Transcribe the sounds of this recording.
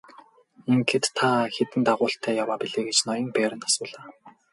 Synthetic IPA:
iŋɡĕt̪ʰːaxet̪ɘ̆nt̪aʁʊːɬt̪ʰæːjawaːpiɮeːɡet͡ɕnɔjɞ̆ŋpæːɾə̆nt̪ʰḁsʊːɮaː

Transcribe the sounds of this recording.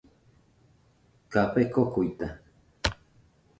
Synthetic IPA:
kapekokujt̪a

